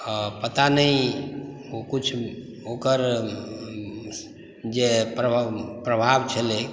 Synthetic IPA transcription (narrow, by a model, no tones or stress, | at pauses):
əpət̪anəi | okut͡ʃʰ | okəɾ | d͡ʒepɾəpɾəbʱabt͡ʃʰəle